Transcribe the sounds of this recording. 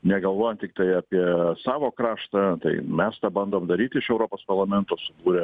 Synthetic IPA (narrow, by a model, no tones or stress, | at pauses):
nʲɛɡɐlˠʋoːjɛnt̪t̪ʲɪkt̪ɐɪɑːpʲiɛsɑːʋoːkɾɑːʃt̪ɐt̪ɐɪmʲɛst̪ɑːbɐnd̪oːmd̪ɐɾʲiːt̪ʲɪɪʃɛʊɾoːpoːspɐrlˠɐmʲɛnt̪oːsʊbuːɾʲɛ